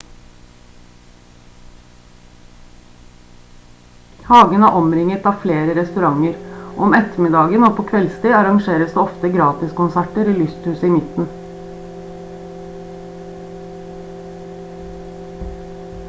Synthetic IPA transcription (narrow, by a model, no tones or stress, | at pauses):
hɑːɡənɑæːʔɔmɾɪŋət̪ɑːfleːɾəɾɛst̪ʉɾɑŋəɾʔɔmɛt̪əmɪd̪ɑːɡənoːpʰoːkʰʋɛlst̪iːɑɾɑŋʃeːɾəsd̪eːɔft̪əɡɾɑːt̪ɪskʊnsæʈəɾiːlʉst̪hʉːsiːmɪt̪n̩